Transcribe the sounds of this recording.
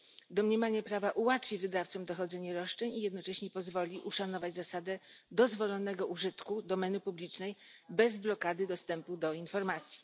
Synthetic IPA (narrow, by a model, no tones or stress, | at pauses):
d̪ɔmɲɛmaɲɛpɾavaʔuwat̪fʲivɘd̪aft̪sɔmd̪ɔxɔd̪zɛɲɛɾɔʂt͡ʂɛɲijɛd̪nɔt͡ʂɛɕɲɛpɔzvɔlʲiʔuʂanɔvad͡ʑzasad̪ɛd̪ɔzvɔlɔnɛɡɔʔuʐɘt̪kud̪ɔmɛnɘpublʲit͡ʂnɛjbɛzblɔkad̪ɘd̪ɔst̪ɛmpud̪ɔinfɔɾmat̪sʲji̥